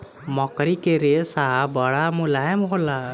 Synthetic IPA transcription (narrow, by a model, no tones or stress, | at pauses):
mɔkɾikeɾesaɦabaɽamulaɦɛmɦola